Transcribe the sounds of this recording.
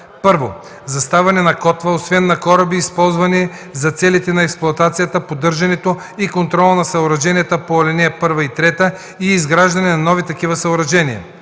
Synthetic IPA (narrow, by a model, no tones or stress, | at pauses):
pɤɾvo | zɐst̪avɛnɛnɐkɔt̪vəosvɛnːɐkɔɾɐbiːspɔlˠzvɐni | zɐt̪sɛlit̪ɛnɐɛksplˠʊɐt̪at̪sijɐt̪əpod̪ɤɾʒɐnɛt̪o | ikont̪ɾɔlˠənɐsɐoɾɐʒɛniɛt̪əpolɛnɛɛpɤɾvɐit̪ɾɛt̪ə | iːzɡɾaʒd̪ɐnɛnɐnɔvit̪ɐkivəsɐoɾɐʒɛnijɐ̰